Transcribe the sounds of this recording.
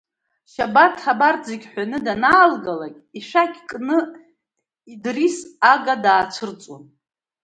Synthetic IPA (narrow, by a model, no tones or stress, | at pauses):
ʃabatʰχabard͡zeɡʲħʷᶣanɨdanaːlɡalakʲiʂakʲʰkʼnɨ | idrisaɡadaːt͡ʃʷʰɨrt͡sʼo̰n